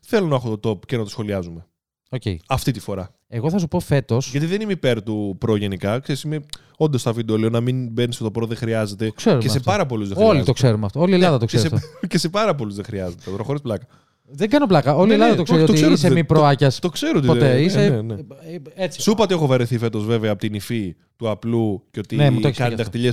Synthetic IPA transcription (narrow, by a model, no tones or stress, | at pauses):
θe̞lo̞nɐexot̪ot̪o̞pcenɐt̪osxo̞liɐzume | ocḛiɐft̪it̪i̥fo̞ɾɐ | e̞ɣo̞θɐsupo̞fe̞t̪o̞sʝɐt̪iðe̞nimeipeɾt̪upɾoʝe̞nikɐkse̞ɾisime | o̞nd̪ost̪ɐvid̪olionɐminbenisot̪opɾoðexɾiɐze̞t̪eo̥seɾumeɐsepɐɾɐpo̞luzðeolit̪okse̞ɾumeɐft̪oolielɐðɐt̪osesecese̞pɐɾɐp̬o̞luzðexɾiɐzet̪et̪ɾoxo̞ɾisplɐkɐ | ðeŋɡɐno̞plɐkɐo̞liielɐðɐt̪oseɾiot̪oiseɾosemipɾoɐcɐst̪okseɾoot̪pot̪eiseeneet͡si̥supɐt̪iexovɐɾeθife̞t̪o̞zve̞veɐːpot̪inifi | t̪uɐpluceot̪inemuçiskɐnst̪ɐxt̪iʎes